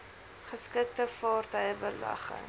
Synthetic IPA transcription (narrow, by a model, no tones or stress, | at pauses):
χəskək̚təfɑːrtœjəbəlɐ̰χə̰ŋ